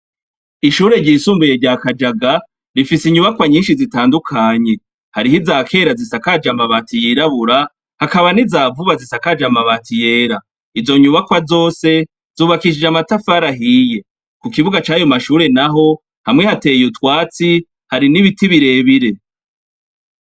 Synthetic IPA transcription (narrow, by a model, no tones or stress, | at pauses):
iʃuːɾe̞ɾɟiːsuːmbuje̞ɾɟaːkad͡ʒaɡa | ɾifisiɲuβakwaɲiːnʃizitaːndukʰaɲe̞ | haɾiɦizaːkʰe̞ːɾazisakad͡ʒamaβatijiɾaβuɾa | hakaβanizaːvuβazisakaːd͡ʒamaβaːtije̞ːɾa | izo̞ɲuβakwazo̞ːse̞ | z̥uːβakiʃ̬id͡ʒamatafaɾaɦije̞ | kukiβuɡat͡ʃaːjo̞maʃuːɾe̞naɦo̞ | hamŋe̞hate̞jutwaːt͡si | haɾiniβitiβiɾe̞ːβiɾe̞